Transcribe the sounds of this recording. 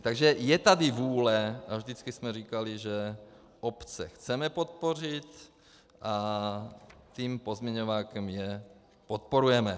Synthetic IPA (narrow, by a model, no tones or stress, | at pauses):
t̪aɡʒɛjɛt̪ad̪ivuːlɛavʒd̪it͡skismɛɾiːkaliʒɛ | ʔopt͡sɛxt͡sɛmɛpot̪̚por̝it̪ | ʔa | t̪iːmpozmɲɛɲovaːkɛmjɛ | pot̪̚poɾujɛmɛ